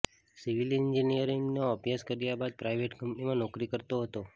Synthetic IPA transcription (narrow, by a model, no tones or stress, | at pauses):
siʋilɪnd͡ʒinijəɾiŋɡnoəpjaskəɾjabad̪̚pɾaiʋeʈkʰəmpnimãnɔkɾikəɾt̪oɦət̪o